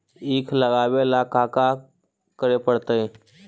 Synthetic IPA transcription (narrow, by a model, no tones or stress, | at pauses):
iːkʰləɡaːʋelakaːka | kəɾepəɽt̪əe